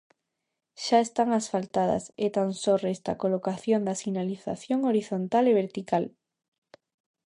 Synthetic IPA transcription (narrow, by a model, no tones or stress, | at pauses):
ʃaest̪aŋasfalt̪að̞ɐ̰set̪ansorest̪a̰kolokaθjond̪asinaliθa̰θjoŋoɾiθont̪aleβ̞eɾt̪ikal